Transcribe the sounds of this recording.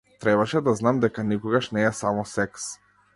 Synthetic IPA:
t̪ɾɛbaʃɛd̪aznamd̪ɛkanikɔɡaʃnɛːsamɔsɛks

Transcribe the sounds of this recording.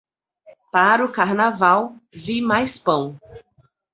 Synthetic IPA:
paɾʊkaɾnavawvimajspɐ̃w̃

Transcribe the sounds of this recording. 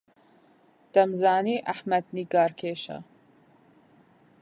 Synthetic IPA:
d̪̥ɐmzaːniːʔaħmɐd̪̚niɡaːɾkʰeːʃɐ̰

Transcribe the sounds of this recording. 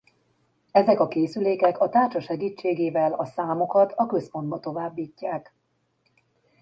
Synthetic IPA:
ɛzɛkɒkeːsyleːkɛkɒt̪aːrt͡ʃɒʃɛɡiːt͡ʃːeːɡeːvɛlɒsaːmo̞kɒt̪ʰɒkø̞spo̞nd̪bɒt̪o̞vaːbːiːcːaːk

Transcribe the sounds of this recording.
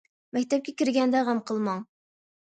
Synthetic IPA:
mɛkʲt̪ɛp̚kʲɛkʲiɾɡʲɛnd̪ɛʁæmqʰəlˠmɑŋ

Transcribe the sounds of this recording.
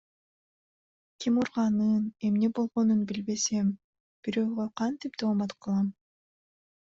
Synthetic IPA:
kʲimuɾʁɑnɯne̞mne̞bo̞lˠʁo̞nunbilbe̞sem | b̥iɾøːʁøqʰɑnt̪ip̚d̪oːmɑt̪qʰɯlˠɑm

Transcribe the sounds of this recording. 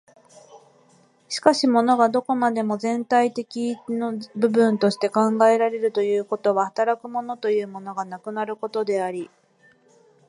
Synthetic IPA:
ɕi̥kaɕimo̞no̞ɡad̪o̞ko̞mad̪e̞mo̞zẽ̞nt̪ait̪e̞kʲinobɯ̟bɯ̟̃nt̪o̞ɕi̥t̪e̞kãŋɡae̞ɾaɾe̞ɾɯ̟t̪o̞jɯ̟ːko̞t̪o̞βahat̪aɾakɯ̟mo̞no̞t̪o̞jɯ̟ːmo̞no̞ɡanakɯ̟naɾɯ̟ko̞t̪o̞d̪e̞aɾʲi

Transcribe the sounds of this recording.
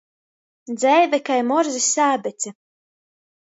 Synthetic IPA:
d̪zɛjvɛkajmɔɾzisʲaːbɛt̪sɛ

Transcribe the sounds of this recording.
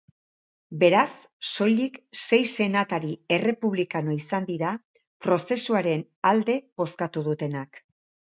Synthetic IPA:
be̞ɾasː | o̞jlikse̞jse̞nat̪aɾie̞re̞puβ̞likano̞isand̪iɾa | pɾo̞se̞suaɾe̞n | ald̪e̞βo̞skat̪uðut̪e̞nak

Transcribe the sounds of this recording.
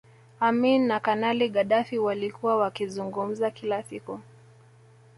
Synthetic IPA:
aminːakanaliɠaɗafiwalikuwawakizuŋɡum̩zakilasiku

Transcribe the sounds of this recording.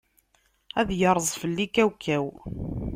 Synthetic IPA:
æðjəɾˤəzˤfəlːikæwkʰːæw

